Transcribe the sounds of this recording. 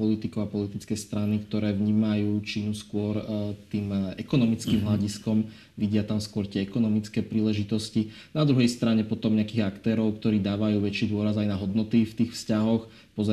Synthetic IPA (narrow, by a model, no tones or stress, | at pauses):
ɔlit̪ikɔapɔlit̪it͡skɛjst̪ɾanikt̪ɔɾɛːʋɲiːmajuːt͡ʃinuskʊɔɾt̪iːmɛkɔnɔmit͡skimɦlaɟiskɔm | ʋiɟɪat̪amskwɔɾt̪ɪɛɛkɔnɔmit͡skɛːpɾiːlɛʒit̪ɔsci | nad̪ɾuɦɛjst̪ɾaɲɛpɔt̪ɔmɲɛakiːɣakt̪ɛːɾɔʊk̚t̪ɔɾiːd̪aːʋajuːʋɛt͡ʃiːd̪ʊɔɾazajnaɦɔd̪nɔt̪ift̪iːxfscaɦɔx | pɔz